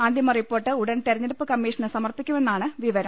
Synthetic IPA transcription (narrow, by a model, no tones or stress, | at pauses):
aːnd̪ʱjɐmɐripːo̞ːrʈːɨuɽɐnt̪eɾɐɲːɐɾupːɨkɐmːiːʂɐnɨsɐmɐrpikʲːume̞nːaːɳɨʋiʋɐɾɐm